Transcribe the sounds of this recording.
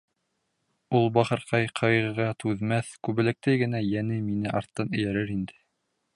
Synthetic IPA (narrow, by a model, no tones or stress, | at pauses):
ulˠbɑχɤ̆ɾqɑjqʰɑjʁɤ̆ʁɑt̪ʰʉðmæθkʉβɘ̆lɘ̆k̚t̪æjɡɘ̆næjænɘminɘʔɑɾt̪ːɤnɘ̆jæɾɘɾind̪ɘ̥